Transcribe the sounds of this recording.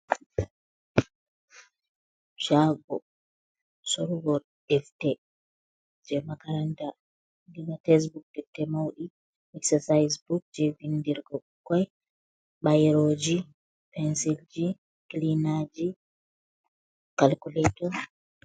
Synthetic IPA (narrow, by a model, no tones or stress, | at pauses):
ʃaɡɔ | soɾuɡɔɾ | ɗɛftɛ | d͡ʒɛmakaɾanta | ndiɡatɛs̬buk̚dɛtːɛmawɗi | ɛksɛsajsbuk̚d͡ʒɛvindiɾɡɔ | kːɔj | ɓajɾoːd͡ʒi | pɛnsild͡ʒi | klinad͡ʒi | kalkulɛtɔ